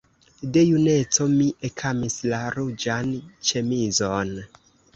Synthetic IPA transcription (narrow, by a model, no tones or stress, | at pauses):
de̞june̞t͡so̞miʔekʰamislaɾud͡ʒant͡ʃe̞mizon